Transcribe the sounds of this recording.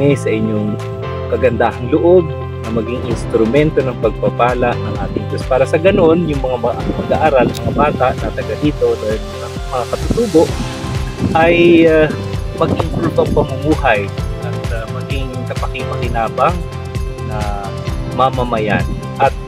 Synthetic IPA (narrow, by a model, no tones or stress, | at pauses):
ɛsɐʔɪɲːoŋ | kɐɡɐnd̪aːhɐnlʊʔo̞b̚ | nɐmɐɡɪŋɪnst̪ɾʊmɛnt̪o̞nɐŋpɐɡ̚papaːlaʔnɐŋʔa̰ːt̪ɪŋt̪ospaːɾɐsɐɡɐno̞njʊŋmɐŋamɐɐɡaʔaːɾalnɐŋmɐŋabaːt̪aʔnat̪ɐɡad̪iːt̪o̞d̪an | a | mɐŋakɐt̪ʊt̪uːbo̞ʔ | ʔɐjamɐɡ̚ʔɪŋkult̪oʔɐŋpɐŋʊmuːhɐjɐt̪amɐɡɪŋkɐpɐkɪŋmɐkɪnaːbɐŋ | nɐ | mɐmɐmɐja̰n | ʔɐt̪̚